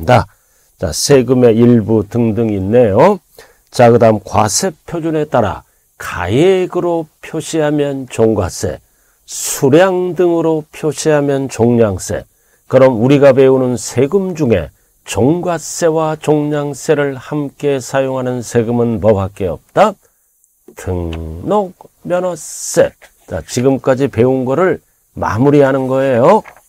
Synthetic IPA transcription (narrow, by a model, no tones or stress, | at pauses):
da | t͡ɕa̰sʰeɡɯme̞iɭbutɯŋdɯŋinːe̞jo | t͡ɕakɯdaɦɯmkwa̰sʰe̞pʰjod͡ʑune̞t͈aɾa̰ | ka̰jeɡɯɾopʰjoɕʰiɦamjʌnt͡ɕoŋɡwa̰s͈e̞̰ | sʰuɾjaŋdɯŋɯɾopʰjoɕʰiɦamjʌnt͡ɕoŋɲaŋs͈e̞̰ | kɯɾʌmuɾiɡape̞unɯnsʰe̞ɡɯmd͡ʑuŋe̞̰ | t͡ɕoŋɡwas͈e̞wat͡ɕoŋɲaŋs͈e̞ɾɯɭhamk͈e̞sʰajoŋɦanɯnsʰe̞ɡɯmɯnmʌbak͈eʌ̰p̚t͈a | tʰɯŋnok̚ | mjʌnʌs͈e̞ | t͡ɕa̰t͡ɕiɡɯmk͈ad͡ʑipe̞unɡʌɾɯɭ | ma̰muɾiɦanɯnɡʌe̞jo